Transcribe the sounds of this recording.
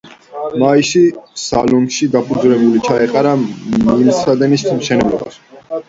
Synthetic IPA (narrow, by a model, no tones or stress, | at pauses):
maiʃisalɔnʃid̪apʰud̪zlɛbulit͡ʃʰaɛqʼaɾamilsad̪ɛnisʰmʃɛnɛblɔbas